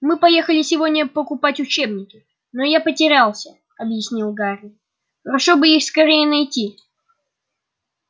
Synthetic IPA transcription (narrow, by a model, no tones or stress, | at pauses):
mɨpɐje̞xəlʲɪsʲɪvodʲnʲəpəkʊpatʲʊt͡ɕe̞bnʲɪkʲɪ | nojapətʲɪɾʲalˠsʲə | ɐbjɪsʲnʲilˠɡaɾʲɪ | xəɾɐʂo̞bɨixskɐɾʲejənɐjtʲi